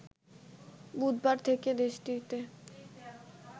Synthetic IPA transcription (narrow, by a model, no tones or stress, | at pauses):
bud̪baɾt̪ʰeked̪eʃʈit̪e